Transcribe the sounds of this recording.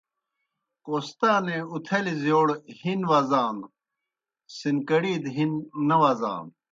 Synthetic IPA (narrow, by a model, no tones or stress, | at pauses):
qoːst̪aːneut̪ʰɐlizjoːɽhinʋaːzaːn | sinkɐɽiːd̪ɦinːɐʋaːza̰ːn